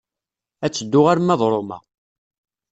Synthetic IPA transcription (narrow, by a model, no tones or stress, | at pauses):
æt͡sːəd̪ːʊʁaɾmːæðˤɾˤomæ̰